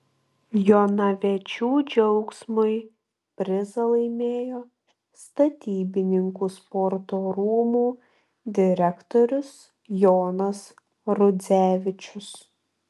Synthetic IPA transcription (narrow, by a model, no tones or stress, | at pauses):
joːnɐʋʲɛt͡ʃʲuːd͡ʒʲɛʊksmʊɪ | pʲɾʲɪzɐlˠɐɪmʲeːjoː | st̪ɐt̪ʲiːbʲɪnʲɪŋkuːspɔɾt̪oːɾuːmuː | d̪ʲɪɾʲɛkt̪oːɾʲʊs | joːnɐs | ɾʊd̪zʲæːʋʲɪt͡ʃʲʊs